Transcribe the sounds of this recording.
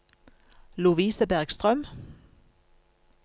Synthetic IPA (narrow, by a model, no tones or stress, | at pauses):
lʉʋiːsəbæʁɡ̥st̪ʁœm